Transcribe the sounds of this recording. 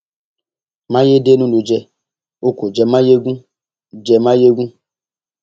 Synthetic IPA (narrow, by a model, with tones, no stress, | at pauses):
mã˦je˦de˦nũ˦lu˨d͡ʒɛ˧ | o˦ko˨d͡ʒɛ˧mã˦je˦ɡũ˦ | d͡ʒɛ˧mã˦je˦ɡũ˦